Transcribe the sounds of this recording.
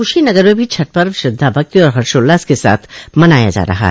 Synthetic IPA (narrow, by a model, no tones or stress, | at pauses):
kʊʃinɐɡəɾmẽbʱit͡ʃʰɐʈ̚pəɾʋʃɪd̪ʱːabʱɐk̚t̪iɔːɾɦɐɾsoːlːaːskesa̰ːt̪ʰmɐnaːja̰d͡ʒa̰ːɾɐ̰ɦa̰